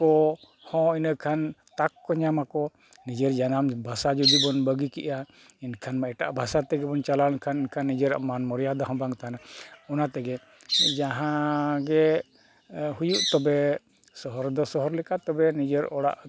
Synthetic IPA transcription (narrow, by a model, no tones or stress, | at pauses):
ɔ | hɔ̃inəkʰant̪akːɔɲamakɔ | nid͡ʒeɾd͡ʒanambʱasad͡ʒud̪ibɔnbəɡikḭʔa | inkʰanmaɛʈa̰ʔbʱasat̪ɛɡɛbɔnt͡ʃalalnkʰaninkʰanːid͡ʒəɾamanmɔɾjad̪aɦɔ̃baŋt̪anaɔnat̪ɛɡɛ | d͡ʒaɦãɡɛ | hujuʔt̪ɔbɛ | sɔɦɔɾd̪ɔsɔɦɔɾlɛkat̪ɔbɛnid͡ʒeɾɔɽa̰ʔ